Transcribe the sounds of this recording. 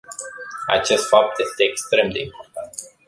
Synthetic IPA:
a̰t͡ʃe̞st̪fap̚t̪je̞st̪e̞ːkst̪ɾe̞md̪e̞impo̞rt̪ant̪

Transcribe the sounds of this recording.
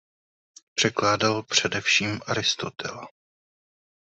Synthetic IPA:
pr̥ɛklaːdalpr̝̥ɛdɛfʃiːmaɾɪst̪o̞t̪ʰɛ̰la

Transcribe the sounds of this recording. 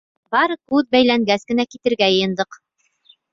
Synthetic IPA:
bɑɾɤkʉðbæjlæŋɡæskɘ̆nækit̪ɘ̆ɾɡæjɤ̆jɤ̆nd̪ɤq

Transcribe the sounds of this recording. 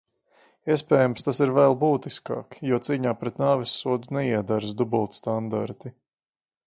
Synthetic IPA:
iɛspɛːjamst̪asiɾvɛlˠbuːt̪iska̰ːkjuɔt̪siːɲaːpɾɛt̪naːvisːuɔd̪unɛiɛd̪aɾsd̪ubulˠt̪st̪and̪a̰ɾt̪i

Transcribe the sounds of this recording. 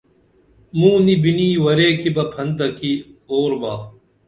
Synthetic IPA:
mũːnibiniːwɐɾeːkibɐpʰɐnd̪ɐkioːɾbaː

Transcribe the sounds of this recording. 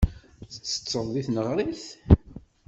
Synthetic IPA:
θə̥t͡sːə̥t͡sːəɾˤðiθnəʁɾiθ

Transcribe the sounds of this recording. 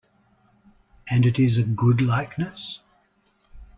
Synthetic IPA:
ʔɨ̃nɨɾɪzɨɡʊdˡlaɪk̚nɨs

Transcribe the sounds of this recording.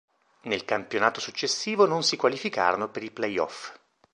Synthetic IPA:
nelkampjonaːt̪osut͡ʃːesːiːvononsikwalifika̰ːɾonopeɾiplɛjɔ̰f

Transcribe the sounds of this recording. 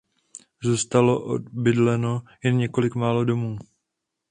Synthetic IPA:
zust̪aloʔo̰bɪdlɛno̞jɛnɲɛko̞lɪkmaːlo̞do̞muː

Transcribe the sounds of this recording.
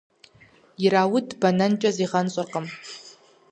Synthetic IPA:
iɾawʊdbanant͡ʃʷʼaziʁant͡sʷʼʊrqʼəm

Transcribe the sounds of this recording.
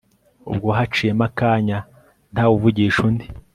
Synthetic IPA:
ṵb̚ɡoɦat͡ʃijemakaːɲa | n̥haːwuvuɟiːʃundi

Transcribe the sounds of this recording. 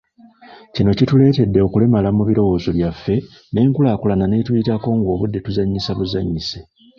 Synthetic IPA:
cino̞citule̞ːte̞dːe̞o̞kule̞malamuβiɾo̞wo̞ːzo̞βjafːe̞ | ne̞ːŋkulaːkulanane̞tuitako̞ːŋɡo̞ːβudːe̞tuzaɲːisaβuzaɲːise

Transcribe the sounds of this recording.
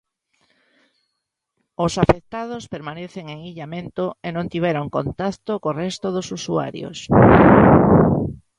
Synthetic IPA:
osafek̚t̪að̞ospeɾmaneθeŋeŋiʎamẽnt̪oenõnt̪iβ̞ɛɾoŋkont̪akt̪okorɛst̪oðosusua̰ɾjo̰s

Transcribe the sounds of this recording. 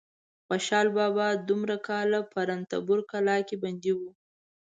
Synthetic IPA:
xaʃɑlbɑbɑd̪umɾakɑlapʰaɾant̪a̰bʊɾkalɑkeband̪iwu

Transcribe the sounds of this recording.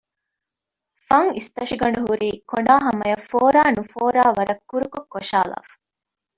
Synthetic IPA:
fɐŋist̪ɐʂiɡɐɳɖuɦuɾiːkoɖaːɦɐmɐjɐfoːɾaːnufoːɾaːʋɐɾɐkːuɾukokːoʃa̰ːla̰ːfu̥

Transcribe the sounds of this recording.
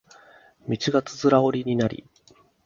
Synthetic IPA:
mʲit͡ɕiɡat͡sɨ̥zɨɾao̞ɾʲiɲ̟inaɾʲḭ

